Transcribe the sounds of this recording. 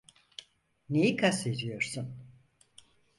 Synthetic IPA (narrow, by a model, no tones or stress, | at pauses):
nejikʰaseɾijo̞ɾsun